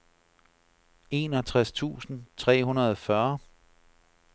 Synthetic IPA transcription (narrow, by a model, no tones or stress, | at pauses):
e̝ːnɒt͡sʰʁast͡sʰṵːsn̩t͡sʰʁɛ̰ːɦunɐðˠɒfɶɐ